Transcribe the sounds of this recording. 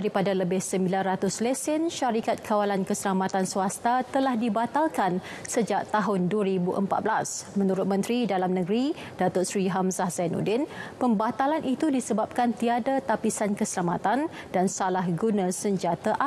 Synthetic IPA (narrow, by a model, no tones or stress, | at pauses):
daɾipadaləbɪhsəmbilanrat̪ʊslesɪnʃaɾikat̪̚kʰawalankəsəlamat̪ansuast̪at̪əlahdibat̪alkan | səd͡ʒaʔ̚t̪aɦʊnduəɾibuʔə̰mpa̰t̪bəlasmə̃nuɾʊt̪̚mə̃nt̪ɾidalamnə̃ɡɾi | d̥at̪ʊsɾiɦamsahzanṵdɪnpəmbat̪alanʔit̪udisəbap̚kant̪iadat̪apisankəsəlamat̪an | d̥ansalahɡunãsəɲd͡ʒat̪aʔa